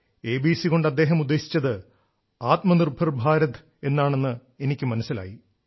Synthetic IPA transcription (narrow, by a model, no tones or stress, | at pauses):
eːbiːsiko̞ɳɖɐd̪ːe̞ːɦɐmud̪ːe̞ːɕi̥t͡ɕːɐðɨ | aːt̪mɐnirbʱɐrbʱaːɾɐt̪ | e̞nːaːɳe̞nːɨ | e̞nikʲːɨmɐnɐsːila̰ːji